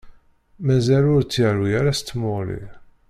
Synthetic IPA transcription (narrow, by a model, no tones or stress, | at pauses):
mæzælʊɾt͡sːəɾwiæɾæst̪ːmʊɾˤḭ